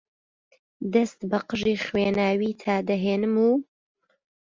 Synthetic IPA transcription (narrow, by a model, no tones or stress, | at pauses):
d̪ɐst̪bɐqəʒiːχweːnaːwiːt̪ʰaːd̪ɐɦeːnɨmuː